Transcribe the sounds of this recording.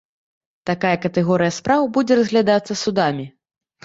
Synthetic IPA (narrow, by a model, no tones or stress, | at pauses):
t̪akajɐkɐt̪ɛɣɔɾɨjɐspɾawbud͡zʲɛɾɐzɣlʲad̪at̪sːɐsud̪amʲi